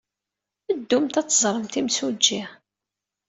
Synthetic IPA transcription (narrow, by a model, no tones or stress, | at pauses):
əd̪ːumt̪æt͡sːəzˤɾˤəmt̪imsud͡ʒːi